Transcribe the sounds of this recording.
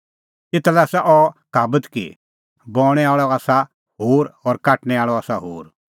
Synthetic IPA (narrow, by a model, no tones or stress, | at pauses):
ɪt̪alɛsaʔɔkaːbət̪kḭ | bɔːɽ̃ɛaːɭɔaːsa | ɦoːɾɔɾkaːʈnɛaːɭɔaːsaɦoːɾ